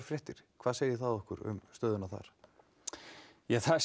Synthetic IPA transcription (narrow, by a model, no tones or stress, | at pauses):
ɾ̥fɾjɛht̪ɪɾ̥kʰvaːðseːjɪθaðɔhkʏɾʏ̰mst̪œːðʏnaθa̰ɾ̥ | jaθas